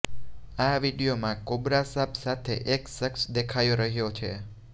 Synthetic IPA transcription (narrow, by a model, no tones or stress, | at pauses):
aʋiɽijomãkobɾasabsat̪ʰḛʔeksəksd̪ekʰajoɾəɦjot͡ʃʰe